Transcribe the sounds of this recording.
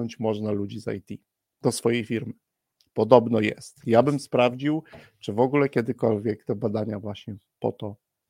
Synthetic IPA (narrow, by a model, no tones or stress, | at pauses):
ɔɲt͡ɕmɔʐnalud͡ʑiza̰jt̪ʲi | d̪̥ɔsfɔjejfʲiɾmɘ | pɔd̪ɔbnɔjɛ̰st̪jabɘmspɾavd͡ʑiw | t͡ʂɘvɔɡulɛkʲɛd̪ɘkɔlvʲjɛkt̪ɛbad̪aɲavwaɕɲɛ | pɔ̰t̪ɔ